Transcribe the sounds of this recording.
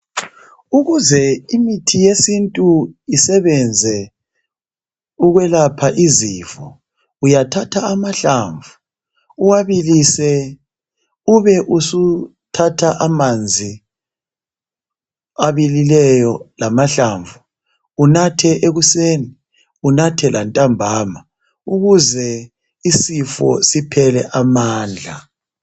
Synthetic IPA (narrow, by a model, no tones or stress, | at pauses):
uɣuzɛimitʰijesintʼuisɛβɛnd͡zʱɛ | uɣwɛlapʰaʔizifɔ | ujatʰatʰaamaɬaɱvuː | waβilisɛ | uβɛʔusu | tʰatʰaʔamand͡zʱi | aβililɛjɔlamaɬaɱvu | unatʰɛʔeɣuseːni | unatʰɛlantʼambʱaːma | uɣuzɛ | isifɔ̰sipʰɛlɛʔamaːnd͡ɮʱa